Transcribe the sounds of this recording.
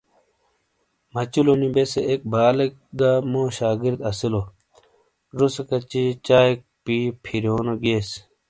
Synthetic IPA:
mɐt͡ɕulonibeseʔek̚baːlek̚ɡaːmoːɕaːɡiɾd̪ɐsilo | ɾuskɐt͡ɕit͡ɕaːek̚pipʰiɾjoːnoɡeːs

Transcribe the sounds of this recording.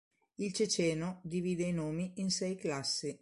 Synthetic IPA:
ilt͡ʃet͡ʃɛːnod̪iviːd̪ejnoːmiinsɛjklasːi

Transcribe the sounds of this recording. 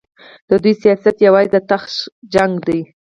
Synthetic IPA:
d̪̥əd̪ujsijɑsat̪jawɑjd̪ət̪axʃd͡ʒaŋɡd̪aj

